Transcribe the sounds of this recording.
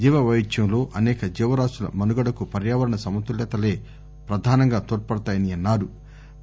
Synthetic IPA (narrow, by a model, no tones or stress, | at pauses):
d͡ʒiːʋɐʋɐjit͡ʃjɐmlo̞ːʔɐnɛːkɐd͡ʒɛːʋɐɾaːsulɐ̰mɐnuɡɐɽɐkupɐɾjaːʋɐɾɐɳɐsɐmɐt̪ulɛːt̪ɐle̞ː | pɾɐd̪ʱaːnɐŋɡaːt̪oːʈ̚pɐɽɐt̪aːjɐniɐnːaːɾu